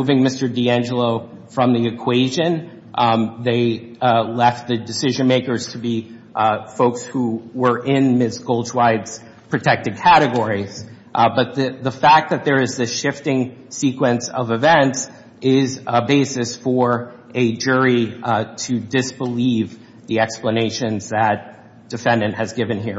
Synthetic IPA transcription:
uvɪ̃ŋmɪstə˞diæ̃nd͡ʒəlˠoʊ | fɹʌ̃mðiɨkʰw̥eɪʒɨ̃n | ʔðeɪlɛft̪̚ðɨdɨsɪʒɨ̃nmeɪkə˞z̥tʰɨbi | foʊkshuwə˞ʔɪ̃nmɪsɡ̥oʊlˠd͡ʒwaɪdz̥ | pʰɹ̥ɨtʰɛk̚tɨd̚kʰæɾɨɡɔɹiz̥ | ʔbʌt̪̚ðɨðəfæk̚ðɨt̪̚ðə˞ɨzðɨʃɪftɪ̃ŋsikwɨ̃ntsʌ̰vɨvɛ̃nts | ɪzəbeɪsɨsfə˞ʔɨd͡ʒʊɹiɾʰɨdɪsb̥əliv | ðiɛkspləneɪʃɨ̃nzðɨt̚ | d̥ɨfɛ̃ndɨ̃nʔhɨzɡɪvɨ̃nɦiɹ

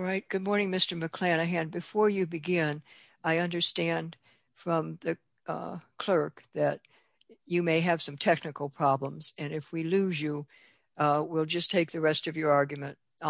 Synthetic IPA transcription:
ɹaɪt̚ɡ̥ʊd̚mɔɹnɪ̃ŋmɪstə˞mɨkʰl̥æ̃nɨɦæ̃nbɨfɔɹjɨbɨɡɪ̃n | aɪʌ̃ndə˞stæ̃nd | fɹʌ̃mðɨ | kʰl̥ɜ˞kðɨt͡ʃ | ɨmeɪɨv̥sʌ̃mtʰɛknɨkl̩ˠpʰɹ̥ɑblə̃mz̥ɨ̃nɨfwilʉzjɨ | wilˠd͡ʒʌstʰeɪk̚ðɨɹɛstʌvjə˞ɑɹɡjmɨ̃nt

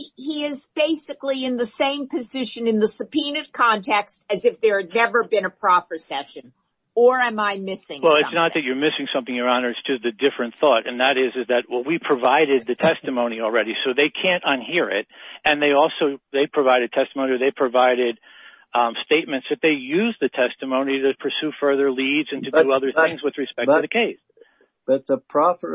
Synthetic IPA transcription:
iɪzbeɪsɨkliɨ̃nðɨsẽɪ̃mpʰɨzɪʃɨ̃nɨ̃nðəsɨpʰinɨd̚kʰɑ̃ntʰɛkstɨzɨfðə˞nɛvə˞bɨ̃nəpʰɹ̥ɑfə˞sɛʃɨ̃n | ə˞ɨ̃maɪmɪsɪ̃ŋwɛlˠɨtsnət̪̚ðɨt͡ʃə˞mɪsɪ̃ŋsʌ̃mθɪ̃ŋjə˞ɑ̃nə˞ɨtsd̥ʒ̥ʌst̚ɨdɪfɹɨ̃nθɔɾɨ̃nðɨɾɪzɨzðɨt̚wɛt̚ˠwipʰɹ̥ɨvaɪɾɨd̪̚ðɨtʰɛstɨmõʊ̃ñil̩ˠɹɛɾisoʊðeɪkʰæ̃ntə̃nhiɹɪ̰t̚ɨ̃nðeɪɔlˠsoʊðeɪpʰɹ̥ɨvaɪɾɨd̚tʰɛstəmõʊ̃niə˞ðeɪpʰɹ̥ɨvaɪɾɪd̚ | steɪt̚mɨ̃ntsðɨt̪̚ðeɪjʉzðɨtʰɛstɨmõʊ̃niɾɨpʰə˞sʉfɜ˞ðə˞lidzɨ̃ntʰɨdɨʌðə˞ɪ̃ŋzwɨðɹɨspɛk̚tʰɨðɨkʰeɪs | b̥ʌt̪̚ðəpʰɹ̥ɑfə˞

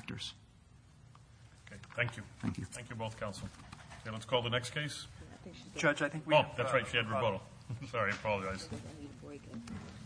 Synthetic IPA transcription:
k̚tə̰˞z̥ | okʰeɪθæ̃ŋkʰjʉθæ̰̃ŋkjʉθæ̃ŋkʰjʉboʊθkʰãʊ̃nsl̩ˠkẽlætskʰɔːlˠd̪ðənɛkskʰeɪs | d͡ʒʌt͡ʃaɪθɪ̃ŋkwoʊðætsɹaɪtʃiɨd̚ɹəbʌɾl̩ˠ | sɑɹifɔlˠaɪz̥

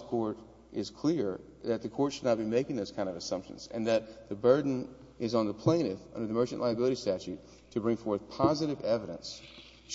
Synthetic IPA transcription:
kʰɔɹɾ | ʔɪz̥kʰl̥ɪɹ | ðɨt̪̚ðɨkʰɔɹtʃɨdⁿnət̚b̥imeɪkɪ̃ŋðoʊz̥kʰãɪ̃ndʌvɨsʌ̃mpʃɨ̰̃n̩z̥ɨ̰̃nðɨt̪̚ðɨbɜ˞dⁿn̩ | ɪzn̩ðəpʰl̥ẽɪ̃nɨθʌ̰̃ndə˞ðɨmɜ˞t͡ʃɨ̃nʔlaɪɨbɪlˠəɾistæt͡ʃʉtʰ | ɨbɹɪ̃ŋfɔɹθpʰɑzɨɾɨvɛvɨɾɨ̰̃ns

